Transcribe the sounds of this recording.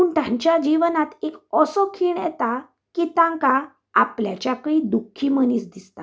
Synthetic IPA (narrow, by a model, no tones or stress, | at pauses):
puːɳt̪ãɲt͡ɕjad͡ʑiʋnat̪ekɔsɔkʰiːɳjɛ̰t̪a | kit̪ãŋka | a̰pljat͡ɕjakid̪ukʰːiməniːsd̪ist̪a̰